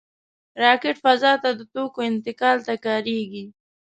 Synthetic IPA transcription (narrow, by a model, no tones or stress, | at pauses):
ɾɑkɪʈfazɑt̪ad̪ət̪okoɪnt̪ɪkɑlt̪akɑɾeɡi